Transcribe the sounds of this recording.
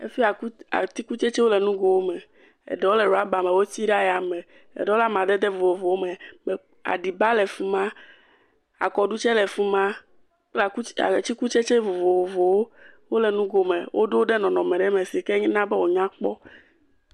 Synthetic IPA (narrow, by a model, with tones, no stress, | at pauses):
ḛ˦fi˦a˨ku˦a̰˨t̪i˦ku˦t͡ʃe˦t͡ʃe˦wo˦lɛ˨nũ˦ɡo˨wo˦mɛ˨ | ḛ˨ɖɛ˦wo˦lɛ˨ɾo˨a˦ba˨me˨wo˦t̪i˦ɖa˦ja˨mɛ̃˨ | ḛ˨ɖɛ˦o˦la˦m˨ã˨d̪ɛ˦d̪ɛ˦vo˨vo˨vo˨wo˦mɛ˨mɛ˨ | a̰˨ɖi˨ba˦lɛ˨fu˨mã˦ | a̰˨kɔ˨ɖu˦t͡ʃɛ˦lɛ˨fu˦mã˦ | k͡pla˨ku˦a̰˨t͡ɕi˦ku˦t͡ʃe˦t͡ʃe˦vo˨vo˨wo˨vo˨wo˦wo˦lɛ˨nũ˦ɡo˨me˨wʔo̰˦ɖo˦wo˦ɖɛ˦nɔ̃˨nɔ̃˨mɛ̃˨ɖɛ˦me˨si˨ke˦ɲĩ˦nã˦bɛ˦wo˨ɲã˦k͡pɔ˦